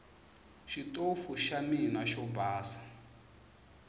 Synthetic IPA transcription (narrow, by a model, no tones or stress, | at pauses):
ʃitʼofuʃaminaʃɔbaːsḁ